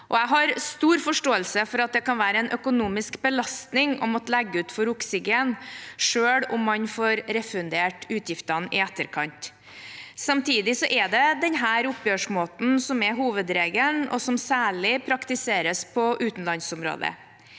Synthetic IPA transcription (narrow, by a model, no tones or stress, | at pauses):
ʔɔæɪɦɑɾst̪uːɾfɔʂʈoːəlsəfɔɾɑt̪̚d̪ɛkɑnʋæːɾəɛnʔœkʊnuːmɪskbəlɑst̪nɪŋɔ̰mɔt̪læɡːəʉːt̪fɔɾʊksɪɡeːnʂøːɽʊmːɑnfoːɾɾɛfʉnd̪eːʈʉːt̪ʰjɪft̪ɑnɪæt̪ːəɾkʰɑnt̪ | sɑmt̪ʰiːd̪ɪsɔʔɛd̪ɛd̪ɛnɦæːɾʊpjøːʂmoːt̪n̩sɔmɛɦuːʋəd̪ɾeːɡənɔ̰sɔmsæːɭɪpʰɾɑkt̪ɪseːɾəspʰɔʔʉːt̪n̩lɑnsʊmɾo̰ːd̪ə̰